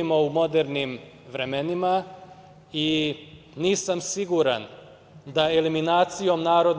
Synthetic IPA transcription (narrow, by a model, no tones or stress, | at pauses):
imoumo̞d̪eɾnim | ʋɾemenima | i | niːsamsiɡuɾa̰n | d̪aeliminaːt̪sijo̞mnaːɾo̞d̪